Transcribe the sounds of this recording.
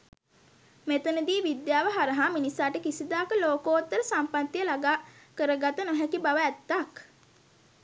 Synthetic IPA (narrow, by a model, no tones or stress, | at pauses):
met̪ənəd̪iːʋid̪jaːʋəɦaɾəɦaminisaːʈəkisid̪aːkəloːkoːt̪ːəɾəsampat̪ːijəlaɡaːkəɾəɡat̪ənoɦɛkibaʋəɛt̪ːak